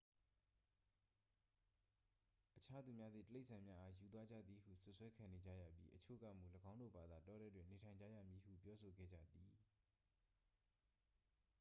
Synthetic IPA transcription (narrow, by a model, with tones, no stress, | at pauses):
ʔət͡ɕʰa˦d̪u˨mja˦d̪ðḭ˦˨təle˦˨ʔsʰã˨mja˦ʔa˦ju˨t̪̬wa˦d͡ʑä̰˦˨d̪ði˨hṵ˦˨sʊ˦ʔswɛ˦kʰã˨ne˨d͡ʑa̰˦˨ja̰˦˨pji˦ʔət͡ɕʰo̰˦˨ɡa̰˦˨mu˨ləɡã˦ʊ̃ndo̰˦˨ba˨d̪a˨tɔ˦ɾɛ˦dwɪ̃˨ne˨tʰã˨ɪ̃ɲd͡ʑa̰˦˨jä̰˦˨mji˨hṵ˦˨pjɔ˦so˨ɡɛ̰˦˨d͡ʑä̰˦˨d̪i˨